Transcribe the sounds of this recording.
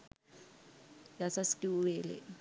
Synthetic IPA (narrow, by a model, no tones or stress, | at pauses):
jasastʼiwɛːlɛ̰